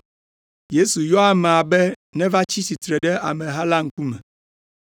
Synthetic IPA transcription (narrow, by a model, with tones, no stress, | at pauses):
je˦su˨jɔ˦a˦mɛ˨a˨bɛ˦ | nɛ̃˦va˦t͡ɕi˦si˨t̪ɾɛ˨ɖɛ˦a̰˨mɛ̃˨ɦa˦la˦ŋ̩˦ku˦mɛ˨